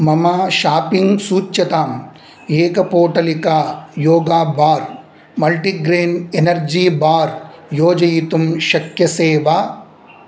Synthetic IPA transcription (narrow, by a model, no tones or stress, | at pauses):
mɐmaːʃaːpiŋɡsuːt͡ʃːɐt̪aːm | eːkɐpoːʈɐlikaːjoːɡaːbaːɾ | mɐlʈiɡɾeːnenɐɾd͡ʒiːbaːɾjoːd͡ʒɐjit̪umʃɐkjɐseːʋaː